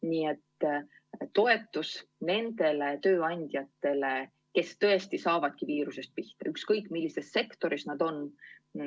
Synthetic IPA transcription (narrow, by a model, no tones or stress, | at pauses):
niːe̞t̪ː | t̪ːo̞e̞t̪ːˑusne̞nd̪̥e̞le̞t̪ø̞ːɑnʲd̪̥ʲjɑt̪ːˑe̞le̞ | ke̞st̪ɤ̞e̞st̪isɑːvɑd̪̥̚kiviːɾuse̞st̪̚piht̪ɑ̰ykskɤjkːˑmilːise̞sse̞kt̪o̞ɾisnɑd̪̥o̞n